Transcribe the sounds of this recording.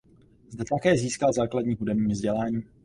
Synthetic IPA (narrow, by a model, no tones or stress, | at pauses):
zdɛt̪akɛːziːskalzaːkladɲiːɦudɛbɲiːmvzɟɛlaːɲiː